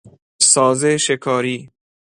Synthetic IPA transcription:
sɒːzeʃekʰɒːɾiː

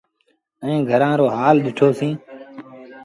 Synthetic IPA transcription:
əĩːɡʱəɾãːɾoːɦaːlɗ̪ɪʈʰoːsĩː

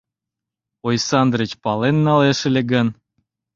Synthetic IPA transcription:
ojsɑnd̪rət͡ɕpɑlenːɑleʃĕlʲeɡən

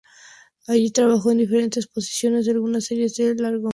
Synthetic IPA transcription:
aʝit̪ɾaβaxo̞e̞nd̪ife̞ɾe̞nt̪e̞spo̞si̥sjo̞ne̞zðealɣunaseɾjezðelaɾɣo

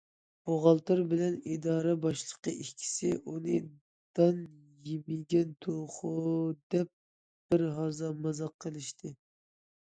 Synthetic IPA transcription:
boʁɑlˠt̪ɨɾbɪlɛnid̪ɑːɾɛbɑʃlˠəqəʔikʲʰi̥sɪʔunɨ | d̪̥ɑn | jimiɡʲɛnt̪ʰoχud̪ɛp̚ | b̥ɪɾɦɑzɑmɑzɑqʰːəlˠɪʃt̪ʰɨ

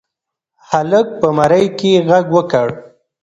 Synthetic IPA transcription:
halək̚pəmaɾəjkeɣaɡwəkəɽ

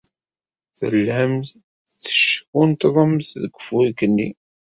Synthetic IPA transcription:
θə̰lːəm | θə̥ʃkunt̪ðˤəmθðəɡʷəfuikːənːḭ

